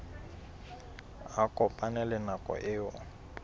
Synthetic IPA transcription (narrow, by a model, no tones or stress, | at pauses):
akʼɔpʼanɛlɛnakʼɔ̰ʔɪːɔ